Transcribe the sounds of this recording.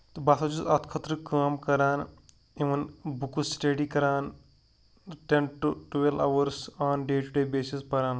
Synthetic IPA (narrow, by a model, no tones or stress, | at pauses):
t̪basɐt͡ʃusɐt̪kʰɐt̪ɾəkaːmkɐɾaːn | ĩʋɐnbukusʈeɖiːkɐɾaːn | ʈenʈuʈuʋela̰ːʋəɾsaːnɖeːʈuɖeːbeːsispɐɾaːn